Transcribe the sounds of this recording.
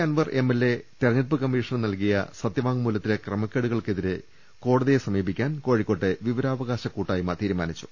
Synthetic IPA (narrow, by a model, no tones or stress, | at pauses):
kaːnʋɐrʔe̞melːe̞t̪erɐɲipːɨkɐmːiːʂɐnnɐlkijɐ̰sɐt̪jɐʋaːŋɡmuːlːɐt̪ːilekrɐmɐkʲːeɽuɣɐɭkeðiɾɨ | ko̞ːɽɐðijesɐmiːbikʲːaːnko̞ːɻikːo̞ʈːɨʋiʋɐɾaːʋɐɣaːɕɐkuːʈːaːjumɐt̪iːɾumaːnit͡ɕːu̥